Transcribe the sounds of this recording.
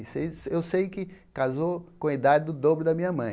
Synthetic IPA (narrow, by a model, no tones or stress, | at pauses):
sḛjewsejkɪkazokõɐid̪ad͡ʒɪd̪ʊd̪obɾʊd̪ɐmĩɲɐmɐ̃j̃